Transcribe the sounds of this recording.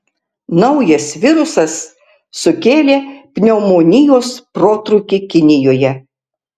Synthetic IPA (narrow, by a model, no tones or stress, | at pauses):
nɒʊjɐsʋʲɪɾʊsɐsː | ʊkʲeːlʲeːpʲnʲɛːmoːnʲɪjoːspɾoːt̪ɾʊkʲɪkʲɪnʲɪjoːjɛ